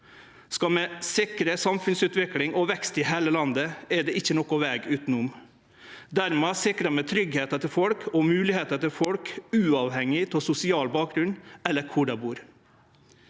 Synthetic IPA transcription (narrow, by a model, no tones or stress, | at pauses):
skɑmɛsɪkɾəsɑmfʉnsʉːt̪ʋɪklɪŋɔʋɛkst̪ɪɦeːləlɑnd̪əɛɖ̪ɛɪçːənɔkʊʋɛːɡʉːt̪n̩ʊm | d̪æɾmeːsɪkɾəmɛt̪ʰɾʏɡheːt̪ət̪ɪlfɔlkʰɔmʉːlɪheːt̪ət̪ɪlfɔlkʉːɑʋhɛŋɪt̪ʰɪlsʊsɪɑːlbɑːk̚ɡɾʉnɛlːəɾkʰʊɖɑbuːɾ